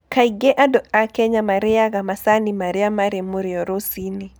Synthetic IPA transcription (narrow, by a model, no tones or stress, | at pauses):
kaiɡɛʔadɔʔakɛɲamaɾɪaɡamasanimaɾɪamaɾemuɾɪɔɾosini